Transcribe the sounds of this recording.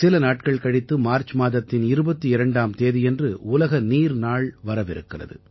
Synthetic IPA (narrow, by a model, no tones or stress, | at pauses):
sɪlɐnaːʈkɐɭkɐɽɪt̪ːɯmaːɾt͡ʃmaːðɐt̪ːɪnɪɾɯbɐt̪ːɯɪɾɐɳɖaːmt̪eːðɪjɛndrɯʊlɐɣɐniːɾnaːɭʋɐɾɐʋɪɾɯ̰kːɪrɐ̰ðɯ̰